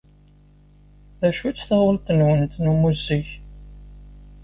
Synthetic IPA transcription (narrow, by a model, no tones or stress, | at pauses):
ðæʃut͡sːθɑəlt̪ːənwənt̪numuzːiç